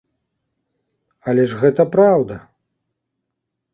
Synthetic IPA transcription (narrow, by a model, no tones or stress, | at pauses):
ɐlʲɛʐɣɛt̪ɐpɾawd̪ɐ